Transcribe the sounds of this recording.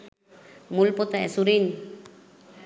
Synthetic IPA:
mulpot̪aɛ̰suɾin

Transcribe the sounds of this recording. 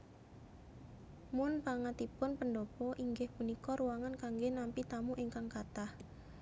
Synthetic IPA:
mʊnpaŋat̪ipʊnpənɖopɔʔiŋɡɪhpunikɔɾuwaŋankaŋɡenampit̪amuʔiŋkaŋkat̪ah

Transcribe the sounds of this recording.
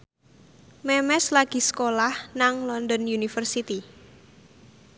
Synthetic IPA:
mɛmɛslaɡ̥i̤sə̥kolahnaŋlɔnd̪ɔnjunifərsit̪i

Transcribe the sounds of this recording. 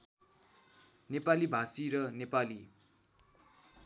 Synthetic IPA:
nepalibʱasiɾʌnepali

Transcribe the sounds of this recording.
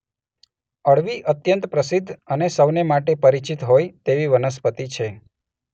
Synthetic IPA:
əɭʋiʔət̪jənt̪pɾəsɪd̪ʱːənesəʋnemaʈepəɾit͡ʃit̪ɦojt̪eʋiʋənəs̬pət̪it͡ʃʰe

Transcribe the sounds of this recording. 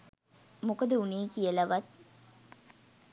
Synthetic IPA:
mokəd̪əuneːkijəlaʋat̪̚

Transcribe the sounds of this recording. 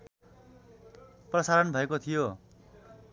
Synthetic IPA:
prʌsaɾʌnbʱʌekot̪ʰijo

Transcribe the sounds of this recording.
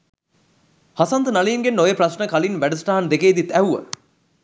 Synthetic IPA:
hasɐnt̪ənaliːiŋɡenːojeprɐsɳəkalinʋæɖəsʈaɦɐnd̪ekeːd̪it̪æuʋə̰

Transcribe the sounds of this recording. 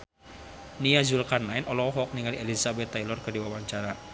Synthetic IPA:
niazulkarnaɛnɔlɔwɔɦɔk̚niŋalielizabɛt̪ːajlɔrkərdiwawaɲt͡ʃaɾa

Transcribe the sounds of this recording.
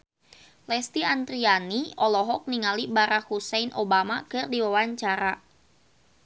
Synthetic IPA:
lɛst̪iant̪ɾianiɔlɔɦɔk̚niŋalibaɾak̚husɛnʔobamakɨrdiwawaɲt͡ʃaɾa

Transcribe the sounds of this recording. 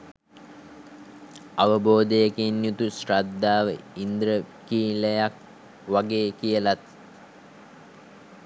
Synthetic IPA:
aʋəboːd̪ejəkenjut̪usrad̪ːaːʋə̰ind̪ɾə | kiːləjak̚ | ʋaɡeːkijəlat̪̚

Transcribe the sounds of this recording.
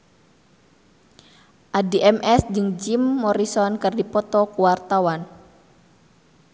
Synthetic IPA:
ʔadiʔɛmɛsd͡ʒɨŋd͡ʒimːɔɾisɔnkɨrdipɔt̪ɔkuwart̪awan

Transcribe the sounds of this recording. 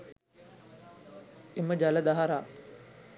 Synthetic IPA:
eməd͡ʒaləd̪aɦaɾaː

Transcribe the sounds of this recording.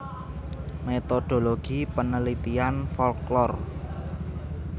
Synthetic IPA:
met̪od̪̥o̤loɡ̥i̤pənəlit̪ianfɔlklɔr

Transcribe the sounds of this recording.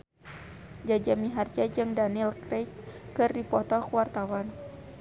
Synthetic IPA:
d͡ʒad͡ʒamiɦard͡ʒad͡ʒɨŋdanilkɾɛjtkɨrdipɔt̪ɔkuwart̪awan

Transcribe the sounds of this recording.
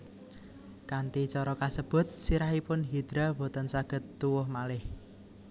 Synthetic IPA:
kant̪it͡ʃɔɾɔkasəb̥ʊ̤t̪̚siɾaɦipʊnɦid̪̥ɾabo̤t̪ɔnsaɡ̥ə̤t̪ːuwʊhmalɪh

